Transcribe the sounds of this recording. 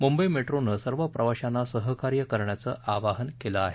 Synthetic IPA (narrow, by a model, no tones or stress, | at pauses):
mumbəjmeʈɾonəsəɾʋəpɾʔəʋaɕanːasəɦəkaɾjəkəɾɳjat͡səːʔaʋaɦənkelaːɦe